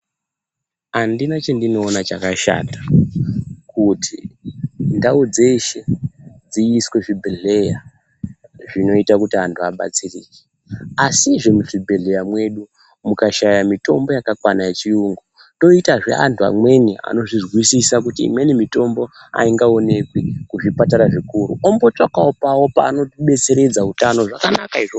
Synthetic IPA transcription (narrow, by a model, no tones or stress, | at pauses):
andinat͡ʃendino̞ːnat͡ʃakaʃa̰tḁ | kutʰi | ndaud͡zeiʃe̞d͡ziːswe̞ʐibʱeɮe̞ja | ʐino̞itakutiantʰuaɓa̰t͡siriːke̥ | asiʐemuʐibʱeɮe̞jamwe̞ɗu | mukaʃajamito̞mbo̞jakakwanajet͡ʃiuŋɡo | toitaʐe̞̰a̰ntʰua̰mwe̞nia̰no̞ʐizɣwisisak̬utḭːmwenimito̞mbo̞ | a̰iŋɡao̞ne̞kwekuʐipataɾaʐikuɾṵombo̞t͡ʂakaopawo̞pa̰ːno̞ɓe̞t͡se̞ɾe̞d͡zautano̞ʐakanakaiʐo